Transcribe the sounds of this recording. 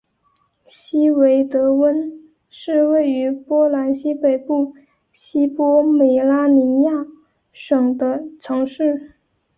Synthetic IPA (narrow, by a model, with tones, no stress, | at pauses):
ɕi˥we˧˥ɪt̪ɤ˧˥wə˥n | ʂɻ̩˥˧we˥˩ɪy˧˥pwɔ˥la˧˥nɕi˥pe˨˩ɪpu˥˩ | ɕi˥pwɔ˥me˨˩ɪla˥ni˧˥ja˥˩ | ʂɤ˨˩ŋd̪ə˦ʈ͡ʂʰɤ˧˥ŋʂɻ̩˥˩